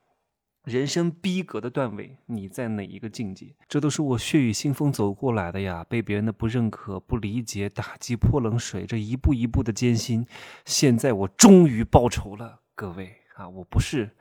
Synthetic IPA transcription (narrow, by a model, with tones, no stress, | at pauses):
ɻə˧˥nʂɤ˥ŋpi˥kɤ˧˥d̪ə˧t̪wa˥˩nwḛ˧˩ɪni˨˩t͡sa˥˩ɪne˨˩ɪḭ˧˥ɡə˧t͡ɕi˥˧ŋt͡ɕḭ˥˩ʈ͡ʂɤ˥˩˧t̪o˥ʊʂɻ̩˥˩wɔ˨˩ɕɥɛ˥˩y˨˩ɕi˥ŋfɤ˥ŋt͡so˨˩ʊkwɔ˥˩la˧˥ɪd̪ə˧ja˧pe˥˩ɪpjɛ˧˥ɻə˧˥nd̪ə˧pu˧˥ɻə˥˩nkʰɤ˨˩pu˥˩li˧˥t͡ɕjɛ˧˥t̪a˨˩t͡ɕi˥pʰwɔ˥˩lɤ˧˥ŋʂwe˨˩ɪʈ͡ʂə˧i˧˥pu˥˩i˧˥pu˥˩d̪ə˩t͡ɕjɛ˥nɕi˥nɕjɛ˥˧nt͡sa˥˩ɪwɔ˨˩ʈ͡ʂʊ˥ŋy˧˥pɑ˥˩ʊʈ͡ʂʰo˧˥ʊlə˧ | kɤ˥˧we˥˩ɪ | a˧wɔ˨˩pu˧˥ʂɻ̩˥˩